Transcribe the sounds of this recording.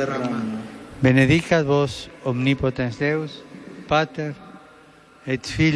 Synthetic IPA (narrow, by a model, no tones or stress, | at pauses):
beneðikat̪βosomnipot̪ẽnsd̪ewspat̪eɾ | et̪fi